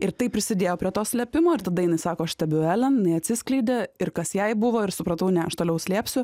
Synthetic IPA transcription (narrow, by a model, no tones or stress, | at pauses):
ɪɾt̪ɐɪpʲɾʲɪsʲɪd̪ʲeːjoːpʲɾʲiɛt̪oːsʲlʲɛpʲɪmoːɪɾt̪ɐd̪ɐjɪnɐɪsɑːkoːɐʃsʲt̪ʲɛbʲʊæːlʲɛnɪnɐɪɐt̪ʲsʲɪsʲklʲɛɪd̪ʲɛɪɾkɐsjɛɪbʊʋoːɪɾsʊpɾɐt̪ɐʊnʲɛɐʃt̪oːlʲɛʊsʲlʲeːpʲsʲʊ